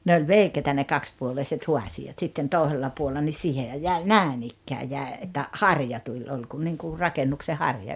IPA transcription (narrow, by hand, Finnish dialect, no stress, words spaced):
ne ol ʋeikeitæ ne kɑkspuoleiset huɑsiɑt sitːen toˑeselːɑ puolːɑ nis siːhehæj jæˑi næˑen ikːæː jæˑe etːæ hɑrjɑ tulʲ olʲ kun niŋku rɑkenːukse hɑrjɑ